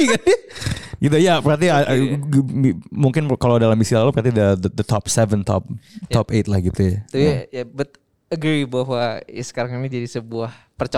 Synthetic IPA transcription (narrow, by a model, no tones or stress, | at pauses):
ikanɪɡit̪ujapəɾat̪ia | muŋkɪnkalodalamisilalupəɾat̪idədədət̪ɔpsɛvənt̪ʰɔ̰p̚t̪ɔpet̪̚lahɡit̪ujat̪ujajabat̪̚ | əɡɾibaɦwaḭsə̥kaɾaŋnid͡ʒadisəbuah | pərt͡ʃ